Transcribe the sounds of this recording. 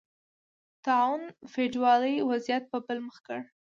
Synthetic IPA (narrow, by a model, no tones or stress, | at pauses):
t̪ɑwnfeɖwɑləjwazijat̪̚pəbəlməxkəɽ